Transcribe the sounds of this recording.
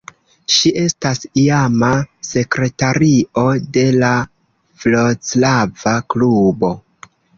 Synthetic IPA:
ʃiʔe̞stasiamase̞kɾe̞taɾio̞de̞la | vlot͡slavaklubo̞

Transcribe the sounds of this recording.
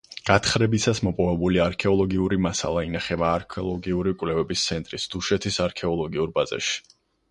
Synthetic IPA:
ɡ̥at̪ʰχɾɛbisasmɔpʼɔvɛbuliaɾkʰɛɔlˠɔɡiuɾimasa̰lˠainaχɛbaːɾkʰɛɔlˠɔɡiuɾikʼvlɛvɛbist̪sʰɛnt̪ʼɾisd̪̥uʃɛt̪ʰisaɾkʰɛɔlˠɔɡiuɾbazɛ̰ʃi̥

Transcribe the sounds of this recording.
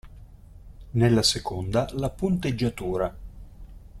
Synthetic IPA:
nelːasekond̪alapunt̪ed͡ʒːat̪uːɾa

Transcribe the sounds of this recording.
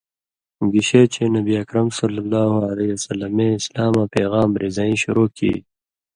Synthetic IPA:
ɡiɕet͡ɕʰenɐbiɐkɾɐmsɐlːɐlːaːɦuɐlɐjɐsɐlːɐmẽɪslaːmãːpeːɣaːmɾʔizaːĩɕuɾoːkʰḭː

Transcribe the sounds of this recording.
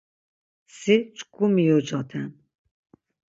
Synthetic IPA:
sit͡ʃʼkumijɔd͡ʒɔt̪ʰɛn

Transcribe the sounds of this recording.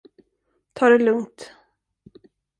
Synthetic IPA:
t̪ʰɑːɖɛlɵŋt̪

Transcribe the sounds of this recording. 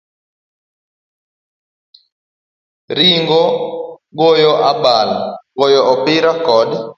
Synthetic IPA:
ɾiŋɡɔɡojɔʔaɓalɡojɔɔpɪɾakɔd

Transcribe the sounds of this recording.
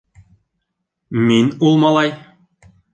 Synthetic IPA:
minulˠmɑlˠɑj

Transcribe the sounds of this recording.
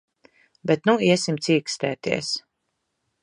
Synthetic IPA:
bɛt̪nuiɛsimt̪siːkst̪ɛːt̪ḭɛs

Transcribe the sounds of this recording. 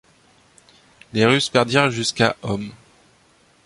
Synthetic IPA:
leʁyspɛʁd̪iʁʒyskaʔɔm

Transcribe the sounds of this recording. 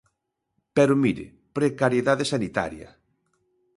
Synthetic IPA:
pɛɾʊmiɾɪ̰ | pɾekaɾjeðaðesanit̪a̰ɾjɐ̰

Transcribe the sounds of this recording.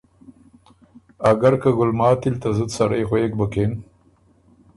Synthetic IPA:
aɡaɾkaɡʊlmɑːt̪ilt̪azəd̪saɾejxwek̚bəken

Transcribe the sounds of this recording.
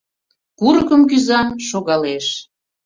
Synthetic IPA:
kuɾkəmk̬yzɑnʃoɣɑleʃ

